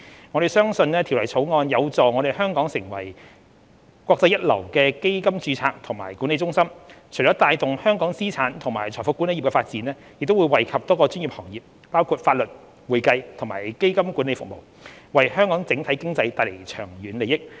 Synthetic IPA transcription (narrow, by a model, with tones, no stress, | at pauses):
ŋɔː˧ɾe˨˩jsœː˥ŋsɵ˧nɛː˥t̪ʰi˨˩wlɐ˨˩jt͡sʰo˨˥wŋɔː˧njɐ˨˧wt͡sɔː˨ŋɔː˨˧ɾe˨jɦœː˥ŋkɔː˨˥ŋsɪ˨˩ŋwɐ̰˨˩j | kwɔː˧k̚t͡sɐ˧jɐ˥t̚lɐ̰˨˩wkɛː˧ke˥jkɐ˥mt͡ʃyː˨˧t͡sʰaː˧k̚t̪ʰʊ˨˩ŋmaː˨˩jkuː˨˥ne˧jt͡sʊ˥ŋsɐ˥mt͡ʃʰɔː˨˥t̪aː˨˧jt̪ʊ˨ŋhœː˥ŋkɔː˨˥ŋsiː˥t͡sʰaː˨˥nt̪ʰʊ˨˩ŋmaː˨˩jt͡ʃʰɔː˨˩fʊ˨˥kuː˨˥ne˧ji˨pkɛː˧faː˧t̚t͡siː˨˥nɛː˥ | jɪ˨k̚t̪o˥wu˨˧jwɐ˨jkʰɐ˨p̚t̪ɔː˥kɔː˧t͡ʃy˥nji˨p̚hɔː˨˩ŋjiː˨p̚ | paː˥wkʰuː˧t̚faː˧t̚lɵ˨t̚ | wuː˨˩jkɐ˧jt̪ʰʊ˨˩maː˨˩jke˥jkɐ˥mkuː˨˥nle˨˧jfʊ˨k̚mo̰˨˩w | wɐ˨jhœː˥ŋkɔː˨˥ŋt͡sɪ˨˥ŋt̪ʰɐ˨˥jkɪ˥ŋt͡sɐ˧jt̪aː˧jle˨˩jt͡ʃʰœː˨˩ŋɥyː˨˧nle˨˧jɪ˥k̚